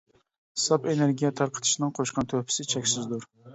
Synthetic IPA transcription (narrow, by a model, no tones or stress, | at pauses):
sɑpeneɾɡʲijɛt̪ʰɑɾqʰə̥t̪ʰɨ̥ʃinɨŋqʰoʃqʰɑnt̪ʰøpʰɪ̥sɪt͡ʃʰɛkʲsɪzd̪uɾ